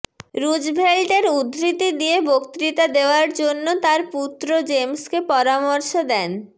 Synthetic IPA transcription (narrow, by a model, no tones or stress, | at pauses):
ɾud͡ʑbʱelʈeɾud̪ɾit̪id̪iebokt̪ɾit̪ad̪eoaɾd͡ʑonːot̪aɾput̪ːɾod͡ʑemskepɔɾamoɾʃod̪ɛn